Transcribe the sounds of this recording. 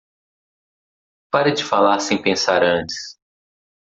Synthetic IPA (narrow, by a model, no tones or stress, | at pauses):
paɾɐd͡ʒɪfalaɾsẽj̃pẽsaɾɐ̃nt͡ʃɪ̥s